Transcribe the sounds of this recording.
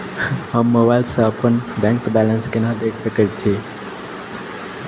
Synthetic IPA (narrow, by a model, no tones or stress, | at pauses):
həmːobaɪlsə̃əpənbɛ̃ŋkbælənskenad̪ekʰsəkət̪̚t͡ʃʰi